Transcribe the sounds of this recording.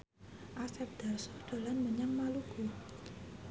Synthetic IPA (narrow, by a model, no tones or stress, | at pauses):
ʔasɛp̚d̪̥arsɔhd̥a̤lanməɲaŋmaluɡu